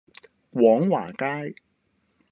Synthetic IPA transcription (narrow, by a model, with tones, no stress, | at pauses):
kwɔː˨˥ŋwa̰ː˨˩kaː˥j